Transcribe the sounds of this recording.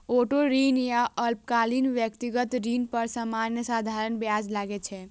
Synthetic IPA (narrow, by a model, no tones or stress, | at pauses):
oʈoɾinjaʔəlp̚kalinʋjəkt̪iɡət̪ɾinpəɾsəmanjəsad̪ʱaɾənbjad͡ʒlaɡet͡ʃʰɛ